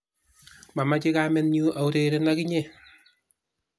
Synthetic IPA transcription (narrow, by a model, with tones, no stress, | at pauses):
ma˨ma˦t͡ʃɪ˦ka˦mɛ˦nɲu˦ʔa˨u˦ɾe˨ɾe˦na˦ki˦ɲe˦˨